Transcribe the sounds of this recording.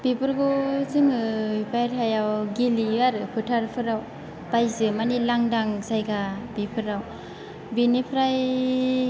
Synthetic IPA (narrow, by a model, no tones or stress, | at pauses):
bipɯɾɡozɯŋɯipajɾajawɡiliaɾɯpʰɯtʰaɾpʰɯɾaw | pajzɯmanilaŋdaŋsajɡabipʰɯɾaw | binipʰɾaj